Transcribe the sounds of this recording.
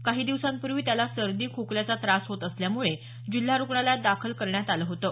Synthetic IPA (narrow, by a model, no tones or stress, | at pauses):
kaɦiːd̪iʋsanpuɾʋiːt̪jalasəɾd̪iːkʰokljat͡sat̪ɾasɦot̪əsljamuɭe | d͡ʑil̤ːaɾukɳaljad̪akʰəlkəɾɳjat̪aləːɦot̪əː